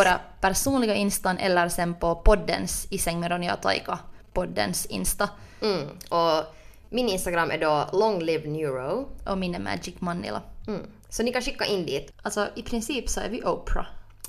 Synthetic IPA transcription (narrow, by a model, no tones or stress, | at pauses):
oːɾɑpæɾʂuːnlɪɡaʔɪnst̪ɑnʔɛ̰lːəɾsɛnpʰɔpʰɔd̪ːənsɪsɛŋməɾɔnjɑ̰t̪ʰɑ̰jkɑpʰɔd̪ːə̰nsɪ̰nst̪a | ʔɔ | mɪnɪnst̪aɡɾamːʔæ̰ɖolɔŋlɪvnjuːɾəʔɔmɪnəmæ̰ːd͡ʒɪkːmɑnːɪ̰la̰ | sɔnɪkɑnʂɪkːaʔɪnd̪iːt̪ʔalt̪sɔɪpʰɾɪnsiːpsɔæ̰ɾvɪʔoːpɾa̰